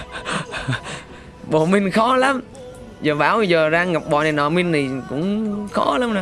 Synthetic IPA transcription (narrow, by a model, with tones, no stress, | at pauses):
ɓo̰˧˨mï˧ŋ̟xɔ˨˦la˨˦m | zəː˨˩ɓaː˧˦wjzəː˨˩zaː˧ŋŋa˨˩p̚ɓɔ̰˧˨na˨˩nɔ̰ː˨˩mï˧nt̪i˨˩kʊ̰˧˥ŋ͡mxɔ˨˦la˨˦ma˨˧˦